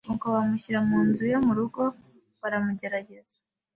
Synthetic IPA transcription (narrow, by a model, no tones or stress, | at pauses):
uŋkoβamuɕiɾamuːnzujomuɾuɡo̞ | βaɾamuɟe̞ɾaɟe̞zḁ